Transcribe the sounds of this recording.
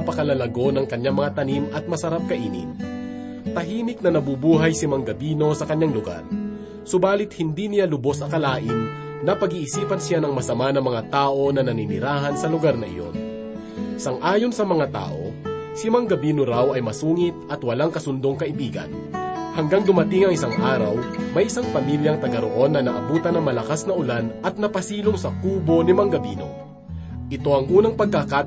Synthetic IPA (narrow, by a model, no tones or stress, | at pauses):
ɐpɐkɐlɐlɐɡo̞nɐŋkɐɲːaŋmɐŋat̪ɐnimʔɐt̪̚mɐsɐɾap̚kɐʔḭːnɪ̰m | t̪ɐɦiːnɪk̚nɐnɐbubuːɦɐjsɪmaŋɡɐbiːno̞sɐkɐɲːaŋlʊɡa̰ɾ | sʊbaːlɪt̪̚hɪnd̪inɪjalʊbo̞sɐkɐlaːʔɪn | nɐpɐɡiːʔɪsiːpɐnsɪjanɐŋmɐsɐmanɐŋmɐŋat̪aːʔo̞nɐnɐninɪ̰ɾaːɦɐnsɐlʊɡaɾnɐʔɪ̰jo̰n | sɐŋʔaːjo̞nsɐmɐŋat̪a̰ːʔo̞̰simɐŋɡɐbiːnoɾawɐjmɐsuːŋɪt̪̚ʔɐt̪wɐlaŋkɐsʊnd̪oŋkɐʔɪbiːɡɐ̰n | hɐŋɡaŋd̪ʊmɐt̪ɪŋɐŋɪsaŋʔaːɾɐ̰wmɐjʔɪsaŋpɐmiljɐŋt̪ɐɡɐɾo̰ʔo̞nːɐnɐʔɐ̰buːt̪ɐnːɐŋmɐlɐkasnɐʔʊlanʔɐt̪̚nɐpɐsiːloŋsɐkuːbo̞nɪmɐŋɡɐbḭːno̞̰ | ʔɪt̪o̞ʔɐŋʔuːnɐŋpɐɡ̚kaka